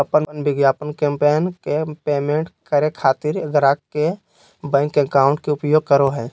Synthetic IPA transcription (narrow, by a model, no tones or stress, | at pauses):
ɐpənənbɪɡjaːpənkẽmpejənkepeːmẽːɳʈkəɾekʰaːt̪ɪɾɡɾaːkke | bɛ̃ːŋkːekaːʊ̃ɳʈkeʊpjoːɡ̚kəɾoɦɛː